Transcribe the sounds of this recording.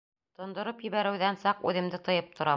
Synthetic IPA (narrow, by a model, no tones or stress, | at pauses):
t̪ŏnd̪ŏɾɤpjɘ̆βæɾɘ̆wðænsɑqʉðɘ̆md̪ɘt̪ɤ̆jɤp̚t̪ʰŏɾɑ